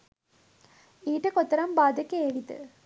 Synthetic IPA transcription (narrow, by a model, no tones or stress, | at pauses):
iːʈɐkot̪ːɐɾɐmbaːd̪ɐkeeʋit̪ɨ̰